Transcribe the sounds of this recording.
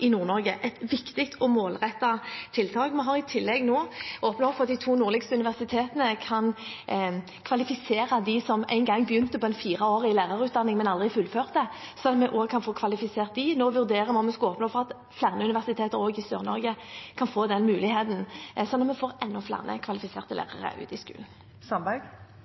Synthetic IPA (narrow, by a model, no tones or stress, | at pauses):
ʔɪnuːʁnɔʁɡəʔɛt̪ʋɪkt̪ɪk̚t̪ʰɔmoːlʁɛt̪ːɑt̪ʰɪlt̪ʰɑːɡmɛɦɑʁɪt̪ʰɪlːɛɡnoːoːpnɔfɔɾʁɑt̪̚d̪ɪt̪ʰuːnuːʁlɪɡst̪əʉnɪʋæʁsɪt̪ʰeːt̪ənəkʰɑn | kʰʋɑlɪfɪseːɾɑd̪ɪsɔmæ̰ɪnɡɑŋːbjʏnt̪əpɔɛɪnfiːʁɑoːʁəɪlæːʁɑʁʉːt̪d̪ɑnːɪŋmɛnɑld̪ʁɪfʉlføːʁt̪ɛsɔnːɔmɛʔoːɡkʰɑnfoːkʰʋɑlɪfɪseːʁt̪̚d̪ɪnoːʋʉʁd̪eːɾʁəmɛɔmɛskɑoːpnoːfɔʁɑt̪ | flæʁnəʉnɪʋæʁsɪt̪ʰeːt̪əɾoːɡɪsøːʁnɔʁɡəkʰɑnfoːd̪ɛnmʉːlɪheːt̪n̩sɔnːɔt̪mɛfoːʁʔɛnːɔflæ̰ʁnə̰kʰʋɑlɪfɪsḛːʁt̪əlæ̰ːʁə̰ʁə̰ʔʉ̰ːt̪ɪskʉ̰ːln̩ | sɑmbɑɡ